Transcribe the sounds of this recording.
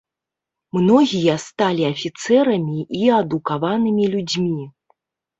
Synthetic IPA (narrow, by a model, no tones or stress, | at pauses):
mnɔɣʲijɐst̪alʲiɐfʲit̪sɛɾɐmʲiʔiɐd̪ukavanɨmʲilʲud͡zʲmʲi